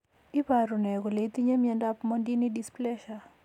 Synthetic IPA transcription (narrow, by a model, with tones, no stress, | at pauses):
ɪ˦paɾu˨nɛ˨ɡo˨le˨i˦t̪i˦ɲe˦mjɛ˦nda˦pmɔ˦ndi˦nidisplɛ˦ʃa